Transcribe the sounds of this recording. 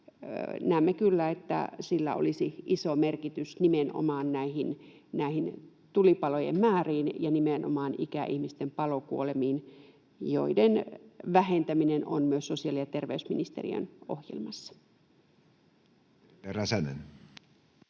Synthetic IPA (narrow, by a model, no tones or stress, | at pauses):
næˑːmːekylːæet̪ːæ̰silːæ̰o̰lisiisomerkit̪ysnimenʔo̰mɑːnnæihinnæihin | t̪ulipɑlojḛmmæːriːnjɑnimenʔo̰mɑːnikæʔihmist̪empɑlokuolemiːn | jo̰idenʋæhent̪æmineno̰nmyøssosiɑlijjɑt̪erʋḛysminist̪ḛrḭø̰nohjḛlmɑsːɑ̥ | eræsænḛn